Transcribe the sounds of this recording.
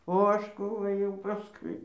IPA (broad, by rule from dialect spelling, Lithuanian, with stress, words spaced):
oː ˈɐʃ ˈkuː ɘˈjɛʊ ˈpɑːskʊɪ